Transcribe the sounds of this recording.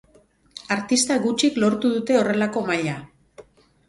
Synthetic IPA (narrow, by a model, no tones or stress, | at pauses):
aɾt̪ist̪aɣut͡ʃiklo̞ɾt̪uðut̪e̞ore̞lako̞maʎa